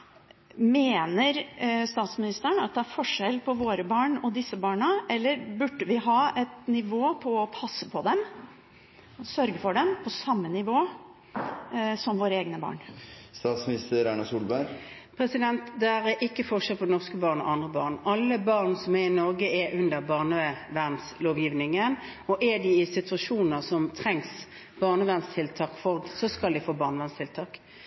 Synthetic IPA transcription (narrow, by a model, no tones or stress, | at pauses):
meːnəɾst̪ɑːt̪smɪnɪst̪əəɳɑt̪̚d̪ɛæɾfɔʂɛlpʰɔʋoːɾəbɑːɳɔd̪ɪsːəbɑːɳəʔɛlːəɾbʉɖːəʋɪɦɑːɛt̪nɪʋoːpʰɔːpʰɑsːəpʰɔd̪ɛm | ɔsœɾɡəfɔɖɛmpʰɔsɑmːənɪʋoː | sɔmʋoːɾəeːɡnəbɑ̰ːɳst̪ɑːt̪smnɪst̪əɾæɪnɑsuːlbæɾ | pʰɾɛsɪd̪ɛnt̪d̪ɛæʁɛʔɪkːəfɔʁʂɛlpʰɔɛnɔʁskəbɑːʁnɔ̰ʔɑnd̪ʁəbɑːʁnɑlːəbɑːʁnsɔmɛɪnɔɾɡəɛʔʉnd̪əʁbɑːʁnəʋæʁnsloːʋjiːʋnɪŋən | ɔʔɛɖ̪ɪɪsɪt̪ʉɑʂuːnəʁsɔmt̪ʰʁɛŋs | b̥ɑːʁnəʋæʁnst̪ʰɪlt̪ʰɑːkfɔʁd̪sɔskɑld̪ɪfoːbɑːʁnəʋæʁnst̪ʰɪlt̪ʰɑːk